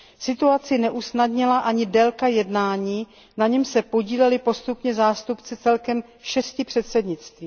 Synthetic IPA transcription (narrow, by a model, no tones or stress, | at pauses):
sɪt̪uat͡sɪnɛʔusnadɲɪlaʔaɲɪdɛlkajɛdnaːɲiː | naɲɛmsɛpo̞ɟiːlɛlɪpo̞st̪upɲɛzaːst̪upt͡sɪt͡sɛlkɛm | ʃɛscɪpr̥ɛt̪sɛdɲɪt͡st̪viː